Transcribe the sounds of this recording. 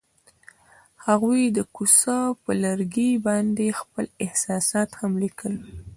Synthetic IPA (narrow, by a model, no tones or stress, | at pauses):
haɣujd̪əkusɑpəlaɾɡibɑnd̪expəlɪhsɑsɑt̪hamlikəl